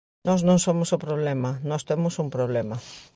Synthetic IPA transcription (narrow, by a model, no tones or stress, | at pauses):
nɔsnõŋsomʊsopɾoβ̞lɛmɐnɔst̪emʊsumpɾoβlɛmɐ